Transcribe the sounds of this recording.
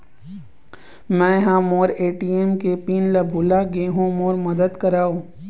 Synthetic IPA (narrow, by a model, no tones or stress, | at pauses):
mɛ̃jɐɦãmoːɾeːʈiːemkepiːnlɐbʱuːlaɡeːɦũmoːɾmɐd̪əd̪kɐɾaːũː